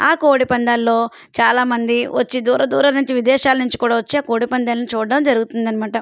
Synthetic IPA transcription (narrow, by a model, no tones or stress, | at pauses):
aːkoːɽipɐnd̪aːlːo̞ː | t͡ʃaːlaːmɐnd̪iʋɐt͡ʃːid̪uːɾɐd̪uːɾɐnuɲt͡ʃiʋid̪ɛːʃaːlɐnuɲt͡ʃi̥kuːɽaːʋɐt͡ʃːiaːkoːɽipɐnd̪aːlɐnit͡ʃuːɖːɐmd͡ʒɐɾuɡut̪und̪ɐnimaːʈɐ